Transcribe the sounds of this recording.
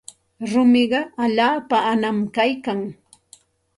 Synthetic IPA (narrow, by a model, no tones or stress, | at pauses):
ɾʊmɪɢɑaʎaːpaːnamkajkaŋ